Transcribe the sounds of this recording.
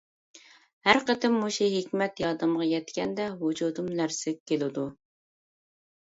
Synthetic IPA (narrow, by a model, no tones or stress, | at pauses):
hæɾqət̪ʰɪmːuʃiɦekʲmɛt̪jɑːd̪ɨmʁɑjɛt̪kʲʰɛnd̪ɛɦud͡ʒud̪umlæɾsɪk̚ʲkʲːelɪd̪u